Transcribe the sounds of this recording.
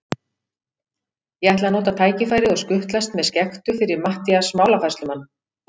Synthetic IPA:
jɛɣajht̪lanoːt̪̬at̪ʰaːjcɪfaːjɾɪɔɣskʏht̪last̪mɛðscɛxt̪ʏfɪɾɪɾmaht̪iasmaːwlafast̪lʏmanː

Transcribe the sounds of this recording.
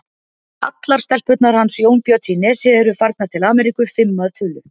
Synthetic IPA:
a̰t̪lḁst̪ɛlspœt̪naɾ̥hansjoːwnpjɔt̪ʰinɛːsɪɛɾʏfaɾk̪nat̪ʰɪlaːmɛɾikʏfɪmːaðt̪ʰʏːlʏ

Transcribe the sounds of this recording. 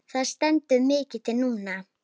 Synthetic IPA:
θaðst̪ɛnt̪ʏmɪːcɪt̪ʰɪlnuːna

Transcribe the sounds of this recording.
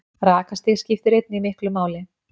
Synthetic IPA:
raːkast̪ɪɣscɪft̪ɪɾejt̪nɪimɪhklʏmaːwlɪ

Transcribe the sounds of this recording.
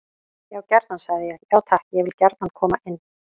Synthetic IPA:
jaːwcɛɾt̪nansaɣðɪjɛɣjaːwt̪ʰahcjɛɣvɪlcɛɾt̪nankʰɔːmaʔɪnː

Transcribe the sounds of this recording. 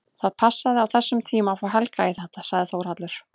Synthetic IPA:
θaðpʰasːaðɪawθɛsːʏmt̪ʰiːmafaɦɛlkaiθɛht̪asaɣðɪθowɾ̥at̪lʏɾ̥

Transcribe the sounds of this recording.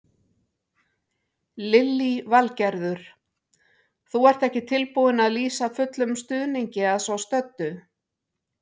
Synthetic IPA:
lɪlːivalcɛɾðʏɾ̥ | θuɛɾ̥t̪ɛhcɪt̪ʰɪlpuðɪnaðliːsafʏt̪lʏmst̪ʏðniɲcɪaðsvawst̪œt̪ːʏ

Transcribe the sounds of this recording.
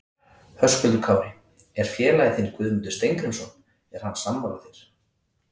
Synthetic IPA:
hœskʏlt̪ʏkʰawvɪ | ɛɾ̥fjɛːlajɪθɪnkvʏðmʏnt̪ʏ̥st̪ejŋkɾʏmsɔn | ɛɾ̥hanːsamːala̰θiɾ̥

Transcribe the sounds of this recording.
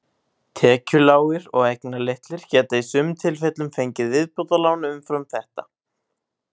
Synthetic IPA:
t̪ʰɛːcʏlaːwɪɾɔɣejknaleht̪lɪɾ̥cɛːt̪aisʏmt̪ʰɪlfɛt̪lʏmfejɲcɪðvɪðpɔwt̪alaːwnʏʏmfɾamθɛht̪a

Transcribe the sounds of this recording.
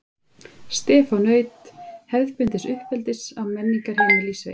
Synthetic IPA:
st̪ɛːfɔwnœːɥt̪hɛɾðpʏnt̪ɪsʏhpɛlt̪ɪsawmɛnːiŋkaɾ̥hɛnaliːse

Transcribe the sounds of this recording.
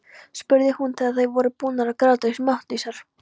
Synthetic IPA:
spʏɾðɪhunt̪ʰɪðaθajvɔɾʏpuːnaɾakɾaːt̪ɾesmaht̪lisaɾ̥

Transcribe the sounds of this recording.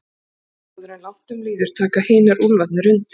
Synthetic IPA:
ɔðɾalawht̪ʏmliːðɪɾ̥t̪ʰaːkahɪːnaɾulvat̪̚nɪɾʏnt̪

